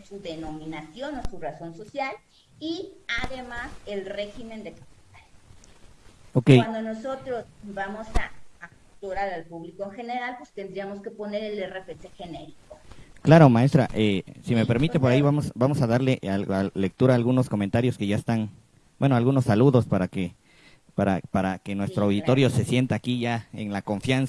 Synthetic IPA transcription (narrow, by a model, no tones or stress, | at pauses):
suðe̞no̞mĩnasjo̞nosuraso̞nso̞sjal | iaðe̞mase̞lre̞xime̞nd̪ekapi̥t̪al | okejand̪ono̞so̞t̪ɾo̞sbamo̞sa̰ːk | t̪oɾaɾalpuβlikoeŋxe̞ne̞ɾalpwest̪end̪ɾiamo̞ske̞po̞ne̞ɾelerepesexe̞neɾikoklaɾomaest̪ɾa̰ʔesime̞peɾmit̪epo̞ɾaiβamosbamo̞saðaɾle̞ʔalale̞k̚t̪uɾaːlɣuno̞sko̞ment̪aɾjo̞ske̞ʝaest̪an | bwe̞noalɣuno̞sːaluðo̞spaɾake | paɾapaɾake̞nwe̞st̪ɾoawðit̪o̞ɾjo̞se̞sje̞nt̪aːkiʝaḛnlako̞ɱfjans